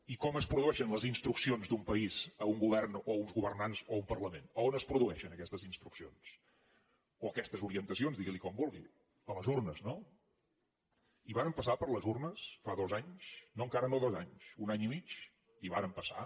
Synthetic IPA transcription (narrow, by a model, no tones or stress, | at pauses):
ikɔməspɾuðuɛʃənləzinst̪ɾuksionzd̪umpəizəuŋɡuβɛrnounzɣuβərnanzoumpərləmenoonəspɾuðuɛʃənəkɛst̪əzinst̪ɾuksions | oəkɛst̪əzuɾiənt̪əs̬ionzðiɣilikɔmbulˠɣḭ | ələzurnəzno | iβaɾəmpəsapəɾləzurnəsfaðozaɲsnoəŋkaɾənoðozaɲsunaɲimit͡ʃ | iβaɾəmpəsa̰